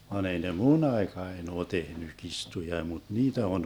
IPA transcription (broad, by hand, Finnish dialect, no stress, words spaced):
ʋɑn ei ne mun ɑekɑen oː tehny kistujɑ mut niːtæ on